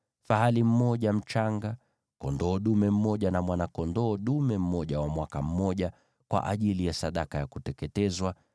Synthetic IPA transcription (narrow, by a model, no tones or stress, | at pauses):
faɦalim̩mɔʄam̩t͡ʃaŋɡa | kɔndɔːɗumɛm̩mɔʄanamwanakɔndɔːɗumɛm̩mɔʄawamwakam̩mɔʄa | kwa̰ʔa̰ʄilijasaɗakajakutɛkɛtɛzwa